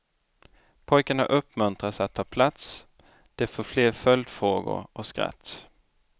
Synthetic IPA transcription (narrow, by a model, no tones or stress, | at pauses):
pʰɔjkaɳa̰ʔɵpːmɵnt̪ɾat̪sat̪ʰːɑːpʰlat̪s | d̪̥ɛfoːfleːɾfœld̪fɾoːɡʊ̰ɾɔskɾa̰t̪ː